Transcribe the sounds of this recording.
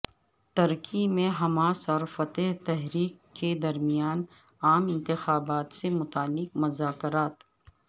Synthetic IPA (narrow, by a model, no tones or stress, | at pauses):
t̪ɐɾkimẽɦɐmaːsɔɾfɐt̪eɦt̪ɛɦɾiːkːed̪ɐɾmijaːn | aːmɪ̃nt̪ɪxaːbaːt̪semʊt̪aːlːɪkmɐzaːkɾaːt̪